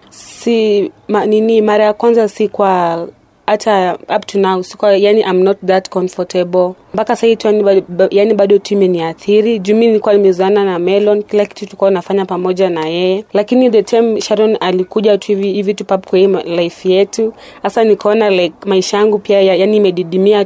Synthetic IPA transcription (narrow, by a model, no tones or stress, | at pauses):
simaninimaɾajakwanzasikwa | atʰaap̚tʰunausi̥kwajaniʔãjmnɔt̚ðatkɔnfɔtʰɛbl | mpakasaivituaniajaniɓaɗɔtimɛniaθiɾiʄuminiikuwalimɛuziananamɛlɔnkilaki̥tutukuaunafaɲapamɔʄanajɛjɛlakiniɗɛtʰɛmʃaɾɔnalikuʄatuiviivitupap̚kwailaifjɛtu | hasanikaɔnalakmaiʃajaŋɡupiajajaniːmɛɗiɗimia